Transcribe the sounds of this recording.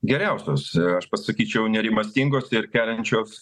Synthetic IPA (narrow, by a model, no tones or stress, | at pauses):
ɡʲɛɾʲɛˑʊsʲoːsɐʃpɐssɐkʲiːt͡ʃʲɛʊnʲɛɾʲɪmɐsʲt̪ʲiŋɡoːsɪɾkʲæːlʲɛnʲt͡ʃʲoːs